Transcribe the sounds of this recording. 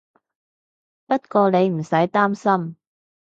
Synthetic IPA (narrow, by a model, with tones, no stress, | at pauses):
pɐ˥t̚kɔː˧ne˨˧jm̩˨˩sɐ˨˥jt̪aː˥msɐ˥m